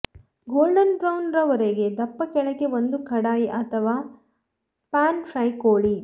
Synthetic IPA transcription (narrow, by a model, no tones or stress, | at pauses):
ɡoːlɖɐnbɾɐwnɾɐʋɐɾeɡe̞d̪ɐpːɐkɛɭɐɡeʋond̪ukʰɐɽaːjiʔɐt̪ʰɐʋaː | paːnfʰɾɐjkoːɭi